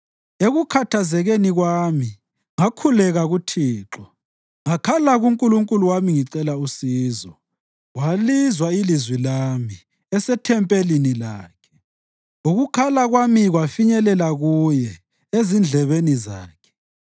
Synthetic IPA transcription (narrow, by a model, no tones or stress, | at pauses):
eɣukʰatʰazɛɣeniɣwami | ŋakʰulɛɣaɣutʰiːǁɔ | ŋakʰalaɣuŋkʼuluŋkʼuluwamiŋiǀɛlausiːzɔ | walizwailizwilami | ɛsɛtʰɛmpʼelinilaːkʰɛ̥ | uɣukʰalaɣwamiɣwafiɲɛlɛlaɣujɛ | ezind͡ɮʱɛβeniza̰ːkʰɛ̥